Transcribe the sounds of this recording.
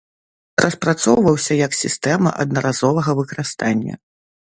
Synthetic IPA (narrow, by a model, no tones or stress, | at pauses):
rʔɐspɾat̪sɔwvɐwsʲɐjɐksʲist̪ɛmɐ̰ʔɐ̰d̪nɐɾʔazɔvɐɣɐvɨkɐɾɨst̪anʲːɐ̰